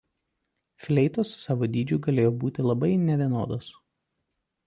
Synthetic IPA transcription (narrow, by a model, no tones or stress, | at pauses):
fʲlʲɛɪt̪oːssːɑːʋoːd̪ʲiːd͡ʒʲʊːɡɐlʲeːjoːbuːt̪ʲɪlˠɐbɐɪnʲɛʋʲiɛno̰ːd̪oːs